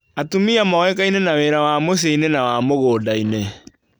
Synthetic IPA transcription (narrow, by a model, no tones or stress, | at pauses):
atomiamawɛkainenaweːɾawamos̬einenawamoɣoːdaine